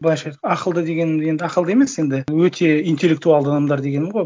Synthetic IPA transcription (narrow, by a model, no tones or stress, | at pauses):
bjʃɑjt̪ɑqəlˠd̪əd̪e̞ɡʲe̞nɪmje̞nd̪ɪɑqəlˠəe̞me̞sje̞nd̪ɪwɵt̪ʰe̞ijnt̪ʲelʲːe̞k̚t̪ualˠd̪əanɑmd̪ɑɾd̪e̞ɡʲe̞nɪmʁoj